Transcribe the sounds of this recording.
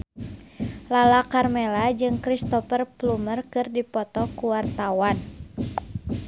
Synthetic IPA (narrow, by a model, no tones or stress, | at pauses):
lalakarmelad͡ʒɨŋkɾist̪ɔfərplumərkɨrdipɔt̪ɔkuwart̪awan